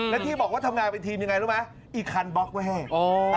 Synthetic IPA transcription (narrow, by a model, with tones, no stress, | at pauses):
lɛ˦˥t̪ʰiː˥˩bɔː˨˩k̚waː˥˩a˧mŋaː˧npe˧nt̪ʰiː˧mɲa˧ŋa˧jɾɯ˦˥mna˦˥ | ʔiː˨˩kʰa˧nbɔ˦˥k̚ka˧˥˩ɦɛː˥˩ʔoː˨˧˩